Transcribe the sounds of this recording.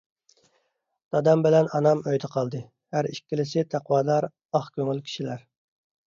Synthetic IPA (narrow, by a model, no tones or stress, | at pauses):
d̪̥ɑd̪ɑmbɪlɛnɑnɑmøjd̪ɨqʰɑlˠd̪ɨ | hæɾiʃkʲːilɪsɪt̪ʰæqwɑːd̪ɑɾ | ɑχkʲʰøŋylkʲʰi̥ʃilæɾ